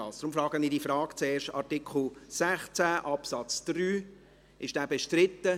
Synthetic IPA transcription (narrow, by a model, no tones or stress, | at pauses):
ɑːsd̥ɾʊmfrɑːɡəniːdifrɑːɡ̥t͡sɛːɾʃtɑ̰ɾtɪkʰl̩sæχt͡sæʔɑpsɑt͡sd̥ɾyː | ɪʃd̥æːbɛʃtɾɪt̪ːə